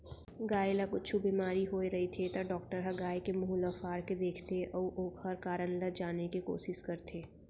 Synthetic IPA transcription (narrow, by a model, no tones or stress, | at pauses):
ɡaːjlɐkʊtːt͡ʃʰubiːmaːɾiɦoːeɾɐɦit̪ʰet̪ɐɖɔːk̚ʈəɾɦɐɡaːekemʊɦulɐfaːɾked̪eːkʰt̪eʔɔːʔoːkhɐɾkaːɾənləd͡ʒaːnekiko̰ːʃɪʃkɐɾt̪ʰeː